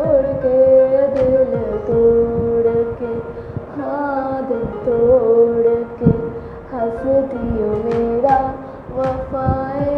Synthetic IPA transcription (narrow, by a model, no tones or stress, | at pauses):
oɽked̪ɪlt̪oɽke | had̪et̪oɽke | hɐsut̪ijomeɾa | ʋɐfae